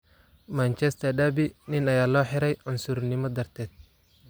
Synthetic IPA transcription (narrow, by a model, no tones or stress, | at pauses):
mant͡ʃʰɛst̪ʰɐɖɐbɪnɪnɐjaːlɔːħɪɾɛjʕʊnsʊɾnɪmɔd̪ɐrt̪ʰɛːd̪̥̚